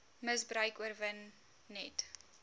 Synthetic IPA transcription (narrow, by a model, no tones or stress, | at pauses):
məsbrœɥkuərvənː | ɛt